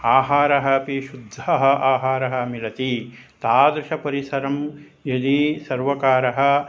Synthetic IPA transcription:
aːɦaːɾɐɦɐpiʃud̪ʱɐɦɐ̆ʔaːɦaːɾɐɦɐ̆milɐt̪i | t̪aːd̪ɾɪʃɐpɐɾisɐɾɐm | jɐd̪isɐɾʋɐkaːɾɐɦɐ̆

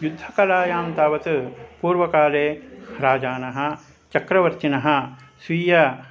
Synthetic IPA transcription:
jud̪ʱːɐkɐlaːjaːmt̪aːʋɐt̪ɨpuːɾʋɐkaːleːɾaːd͡ʒaːnɐɦɐ̆ | t͡ʃɐkɾɐʋɐɾt͡ʃinɐɦɐ̆ | sʋiːjɐ

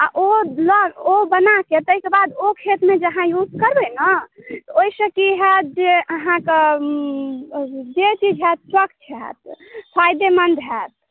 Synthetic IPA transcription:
a̰ʔoləobənaket̪əikebad̪okʰet̪med͡ʒəɦãjud͡ʒkəɾbənət̪ɔoisəkiɦɛt̪̚d͡ʒeəɦãk | d͡ʒet͡ʃid͡ʒɦɛt̪̚swək̚t͡ʃʰɛt̪̚pʰajd̪emənd̪ʱɦɛt̪̚

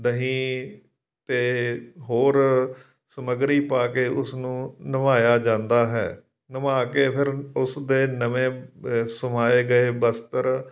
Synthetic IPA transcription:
d̪əɦĩː | t̪eːɦoːɾ | səməɡɾiːpaːkeːʔʊsnũːnəmaːjaːd͡ʒãːnd̪aːɦɛ̰ː | nəmaːkeːpʰɪɾʊsd̪eːnəʋẽːsəmaːeːɡəeːbəst̪əɾ

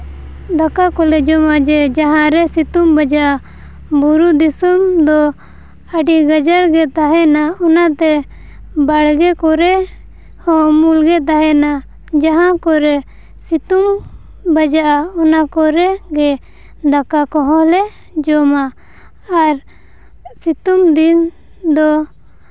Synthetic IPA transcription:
d̪akakɔlɛd͡ʒɔmad͡ʒɛd͡ʒaɦãɾɛsit̪umbad͡ʒaʔa | buɾud̪isɔmd̪ɔ | aɖiɡad͡ʒaɾɡɛt̪aɦɛnaɔnat̪ɛ | baɽɡɛkɔɾɛ | hɔmulɡɛt̪aɦɛna | d͡ʒaɦãkɔɾɛ | sit̪um | bad͡ʒaʔaɔnakɔɾɛɡɛ | d̪akakɔɦɔ̃lɛ | d͡ʒɔmaː | ɾ | sit̪umd̪in | d̪ɔ

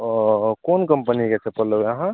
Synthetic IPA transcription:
konkəmpəniket͡ʃʰɛpəlowaɦã

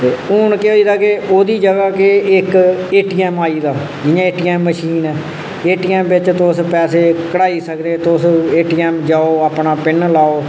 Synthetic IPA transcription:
t̪eːʊnkeoːiːd̪aːkɪoːd̪iːd͡ʒəɡaːkeɪkeːʈiːɛːmaːiːd̪aː | d͡ʒɪjãːeːʈiːɛːmːəʃiːnɛː | eːʈiːɛːmbɪt͡ʃt̪ʊspɛːseːkəɽaːiːsəkd̪eːt̪ʊseːʈiːɛːmd͡ʒaːoːaːpnaːpɪnlaːoː

